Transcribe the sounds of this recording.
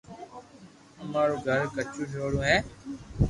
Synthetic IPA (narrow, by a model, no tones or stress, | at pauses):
əmaːɾoːɡʱəɾkət͡ʃũːd͡ʒʰoːɽũːɦɛ̃ː